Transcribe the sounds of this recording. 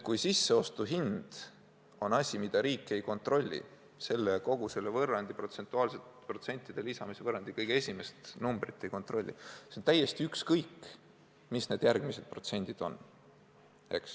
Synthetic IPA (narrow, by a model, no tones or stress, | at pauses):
kujsisːe̞o̞st̪uɦind̪̥ | o̞nɑsʲimid̪̥ɑɾiːkːˑejko̞nt̪ro̞lʲːḭ | se̞lːeko̞ɡ̥use̞lːevɤrːɑnd̪̥ipro̞t̪se̞nt̪ːˑuɑːlse̞t̪pro̞t̪se̞nʲt̪ːˑid̪̥e̞lisɑmise̞vɤrːɑnd̪̥ikɤjɡ̥eesʲime̞st̪numb̥rit̪ˑːe̞jko̞nt̪ro̞lʲːḭseont̪æje̞st̪iykskɤjkː | misne̞ːd̪jærɡmise̞d̪̥̚pro̞t̪se̞nʲd̪̥id̪̥o̞̰n | e̞̰ks